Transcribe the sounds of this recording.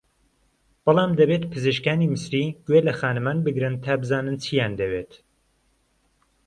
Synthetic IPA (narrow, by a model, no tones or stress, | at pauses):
b̥ɨlˠɑːmd̪ɐbeːt̪pʰɨzɨʃkaːniːmɨsɾiːɡ̥welɐxaːnɨmaːnbɨɡɾɨnt̪ʰaːbɨzaːnɨnt͡sʰijand̪ɐweːt̪